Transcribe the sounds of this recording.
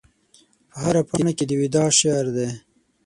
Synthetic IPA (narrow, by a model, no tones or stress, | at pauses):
pəɦaɾapanaked̪əwɪd̪ɑʃeɾd̪e